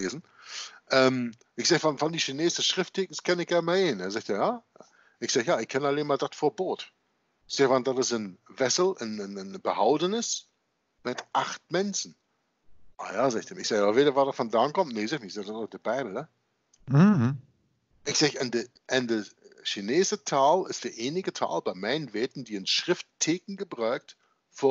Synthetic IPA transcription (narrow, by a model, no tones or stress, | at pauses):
eːzn̩ | ʔɛːm | ʔɪçz̥ɛːçvanfɔndiʃineːzdəsʃʁ̥ɪftʰekn̩skʰɛnɪçɡ̥ɛɐnmaeːneːɐzɛktejaː | ɪçz̥axjaːɪçkʰːɛnaleːmaːdatfoːɐboːt | ɪz̥eːvandatəsənvɛsl̩ənnnbəhaʊdənɪs | mɪtʔaχt̚mɛnsn̩ | ʔaːjaːzaːɡɪçtd̥emɪçz̥aːɡaːbɐveːɾɐvadafɔndaːnkɔmtneːzaːçnɪçz̥aːdatːd̥ibaɪbl̩ə | ʔɪçz̥aːɡɪnde | ʔɪndəʃineːzətʰaːlɪstd̥eːɐʔeːnɪɡətʰa̰ːlbaɪmaɪnənvɛːtn̩diːənʃʁ̥ɪfttʰːeːkn̩ɡəbʁœːk̚t | fo